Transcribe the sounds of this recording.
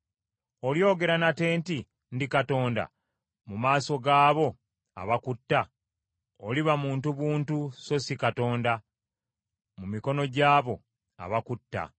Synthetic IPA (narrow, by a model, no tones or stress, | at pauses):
o̞ljo̞ːɡe̞ɾanate̞ːnti | ndikato̞ːnda̰ | mumaːso̞ɡaːβo̞ | a̰βakutːa | oliβamuːntuβuːntuso̞sikato̞ːnda | mumiko̞no̞ɟaːβo̞ | a̰βakutːa̰